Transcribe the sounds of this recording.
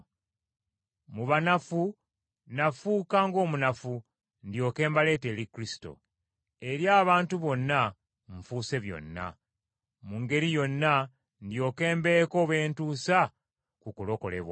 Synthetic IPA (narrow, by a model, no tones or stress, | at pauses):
muβanafu | nafuːkaŋɡo̞ːmunafu | ndjo̞ːke̞ːmbale̞ːte̞ːlikɾisi̥to̞̰ | e̞ɾjaːβaːntuβo̞nːa | ɱfuːse̞βjo̞̰nːa̰ | muŋɡe̞ɾijo̞nːa | ndjo̞ːke̞ːmbe̞ko̞ːβe̞ːntuːsa | kukulo̞ko̞̰le̞̰βwa